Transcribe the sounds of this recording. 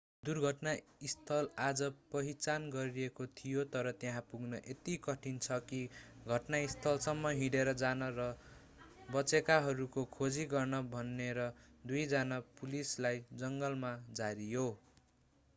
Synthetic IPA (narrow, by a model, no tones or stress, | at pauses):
d̪urɡʱʌʈnaist̪ʰʌlad͡zʌpʌɦit͡sanɡʌɾiekot̪ʰijot̪ʌɾʌt̪jẽɦãpuɡnʌʔet̪ikʌʈʰint͡sʰʌkiɡʱʌʈnaist̪ʰʌlsʌmːʌɦĩɽeɾʌd͡zanʌɾʌ | bʌt͡sekaɦʌɾukokʰod͡ziɡʌrnʌbʱʌnːeɾʌd̪ujd͡zanapulislajd͡zʌŋɡʌlmad͡zaɾijo